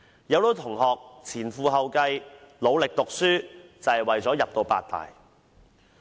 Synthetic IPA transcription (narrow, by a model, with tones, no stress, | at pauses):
jɐ˨˧wlo˨˧˥wt̪ʰʊ˨˩ŋɦɔː˨k̚t͡sʰiː˨˩nfuː˧ɦɐ˨wkɐ˧jlo˨˧wlɪ˨k̚t̪ʊ˨k̚syː˥t͡sɐ˨jwɐ˨jt͡sɔː˨˥jɐ˨p̚t̪o˧wpa̰ː˧t̚t̪a̰ː˨j